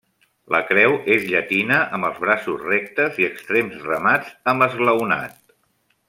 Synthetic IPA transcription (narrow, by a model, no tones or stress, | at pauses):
lə̰kɾɛwezʎət̪inəʔəmbəlˠzβ̞ɾasuzrɛk̚t̪əziəkst̪ɾemzrəmad͡zəmbəzɣləwna̰t̪